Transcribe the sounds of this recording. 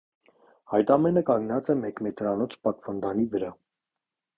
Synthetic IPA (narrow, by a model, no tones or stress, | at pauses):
ɑjt̪ɑmɛnəkɑŋɡnɑt͡sɛmɛkmɛt̪ɾɑnɔt͡sʰpɑt̪vɑnd̪ɑnivəɾɑ